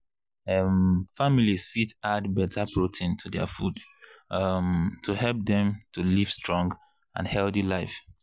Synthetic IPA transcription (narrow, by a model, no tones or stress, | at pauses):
ʌmfamilisfitadbɛtapʰɹotʰĩntʰudɛ̰fud | mtʰuhɛlp̚dɛ̃mtʰuliv̥stɹɔ̃ŋɡ | ã̰nhɛlθilaɪf